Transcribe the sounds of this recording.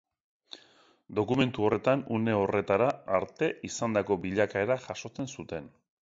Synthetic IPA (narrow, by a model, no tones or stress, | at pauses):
d̪o̞kume̞nt̪uo̞re̞t̪anune̞o̞re̞t̪aɾaːɾt̪e̞ʔisand̪ako̞biʎakae̞ɾaʝaʃo̞t͡se̞nsut̪e̞n